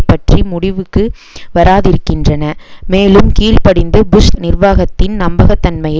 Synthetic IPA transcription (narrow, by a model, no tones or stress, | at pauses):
pːɐʈrimʊɽɪʋɯkːɯ | ʋɐɾaːðɪɾɯkːɪndrɐnɐmeːlɯmkiːɭpɐɽɪnd̪ɯbʊʂnɪrʋaːɣɐt̪ːɪnnɐmbɐɣɐt̪ːɐnmɐjɐ